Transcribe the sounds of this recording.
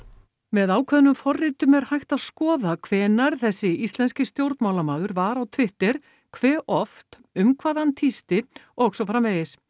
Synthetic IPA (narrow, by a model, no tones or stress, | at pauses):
mɛðaːwkʰvɛðnʏmfɔrːɪt̪ʏmɛɾ̥hajht̪aðskɔːðakʰv̥ɛːnaɾ̥θɛsːɪist̪lɛnscɪst̪jowɾt̪maːwlamaːðʏɾvaɾawt̪ʰvɪht̪ɪɾ̥ | kʰvɛːʔɔft̪ | ʏmkʰvaːðant̪ʰist̪ɪɔɣsɔfɾamɛjɪs